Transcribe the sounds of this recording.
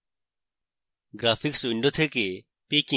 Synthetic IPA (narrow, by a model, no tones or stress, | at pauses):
ɡɾaːfɪksɪɳɖot̪ʰeke | piːkĩ